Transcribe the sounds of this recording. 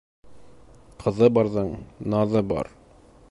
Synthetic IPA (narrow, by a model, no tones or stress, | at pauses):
qʰɤ̆ðɤbɑɾðɤɴnɑðɤbɑ̰ɾ